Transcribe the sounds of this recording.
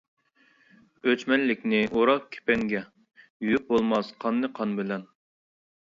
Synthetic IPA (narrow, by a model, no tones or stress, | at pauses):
øt͡ʃmɛnlɪkʲnɪʔoɾɑkʲʰe̥pɛŋɡʲɛ | jyjyp̚bolˠmɑsqʰɑnːɨqʰɑnbɪlɛn